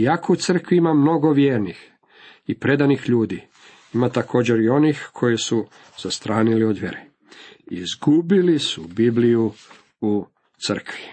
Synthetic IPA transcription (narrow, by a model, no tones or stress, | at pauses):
jakout̪sr̩kʋiimamno̞ɡo̞ʋjeːɾnix | ipɾe̞d̪anixʎuːd̪i | imat̪akʰo̞ːd͡ʑeɾio̞nixkʰo̞jesu | z̥ast̪ɾaːnilio̞d̪ʋjḛɾe | ḭzɡubilisubibliju | u | t̪sər̩kʋi̥